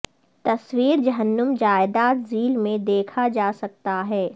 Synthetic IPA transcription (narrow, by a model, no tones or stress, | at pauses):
t̪ɐswiːɾd͡ʒɐɦənːəmd͡ʒaːɪd̪aːt̪ziːlmẽd̪eːkʰad͡ʒaːsɐk̚t̪aɦɛː